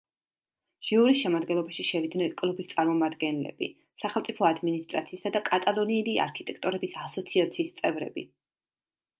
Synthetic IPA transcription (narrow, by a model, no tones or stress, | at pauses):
ʒ̥iuɾisʃɛmad̪ɡɛnlˠɔbaʃiʃɛvid̪nɛnkʼlˠubist̪sʼaɾmɔmad̪ɡɛnlɛ̰bḭ | saχɛlˠmt̪sʼipʰɔad̪minist̪ʼɾa̰t̪sʰiːsad̪akʼat̪ʼalˠɔniɛlia̰ɾkʰit̪ʼɛkʰt̪ʼɔɾɛbisasɔt̪sʰiat̪sʰiːst̪sʼɛvɾɛ̰bḭ